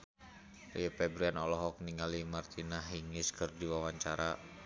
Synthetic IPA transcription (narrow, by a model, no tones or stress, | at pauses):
ripɛbɾianɔlɔɦɔk̚niŋalimart̪inaɦiŋɪskərdiwawaɲt͡ʃaɾa